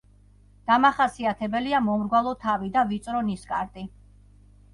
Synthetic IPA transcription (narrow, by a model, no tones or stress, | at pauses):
d̪̥amaχasiat̪ʰɛbɛliamɔmɾɡwalˠɔt̪ʰavid̪avit̪sʼɾɔniskʼaɾt̪ʼi